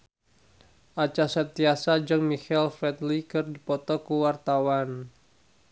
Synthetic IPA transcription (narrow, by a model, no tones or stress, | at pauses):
ʔat͡ʃasənt̪iasad͡ʒɨŋmikɛlfɾɛt̪likɨrdipɔt̪ɔkuwart̪awan